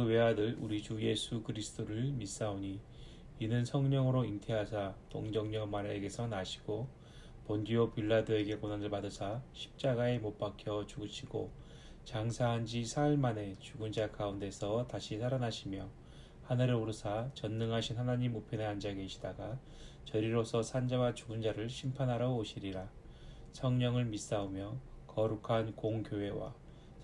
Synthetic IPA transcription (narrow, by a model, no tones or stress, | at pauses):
kɯwe̞ɦadɯɭuɾit͡ɕuje̞sʰukɯɾisʰɯ̥t͈ʰoɾɯɭmis͈aoɲi | inɯnsʰʌŋɲʌŋɯɾointʰe̞ɦasʰatoŋd͡ʑʌŋɲʌmaɾe̞ɡe̞sʰʌnaɕʰi̥ɡ̥o | pondiopiɭːadɯe̞ɡe̞konanɯɭpadɯsʰaɕʰi̥p̚t͡ɕ͈aɡae̞mop͈akʰjʌt͡ɕuɡɯɕʰiɡo̰ | t͡ɕaŋsʰaɦand͡ʑisʰaɭmane̞t͡ɕuɡund͡ʑakaunde̞sʰʌtaɕʰisʰaɾanaɕʰimjʌ | hanɯɾɯoɾɯsʰat͡ɕʌnːɯŋɦaɕʰinhanaɲimːopʰjeneand͡ʑaɡe̞ɕʰi̥daɡa | t͡ɕʌɾiɾosʰʌsʰand͡ʑawat͡ɕuɡɯnd͡ʑaɾɯɭɕʰimpʰanɦaɾʌoɕʰiɾiɾa | sʰʌŋɲʌŋɯɭmis͈aomjʌkʌɾukʰankoŋkjoɦe̞wa̰